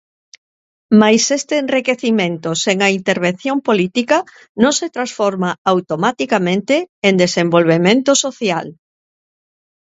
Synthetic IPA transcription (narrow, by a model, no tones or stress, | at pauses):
majsest̪eːnrikeθimẽnt̪oseŋɐint̪eɾβ̞en̟θjompolit̪ikɐ | nõŋset̪ɾãsfɔɾmaawt̪omat̪ikamẽnt̪eend̪esembolβ̞emẽnt̪ʊsoθja̰l